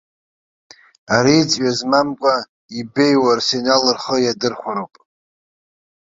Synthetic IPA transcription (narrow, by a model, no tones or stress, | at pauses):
aɾiːt͡sʼɥazmamkʷʼa | ibe̞jwarsenalɨrχəjadɨrχʷaɾowpʼ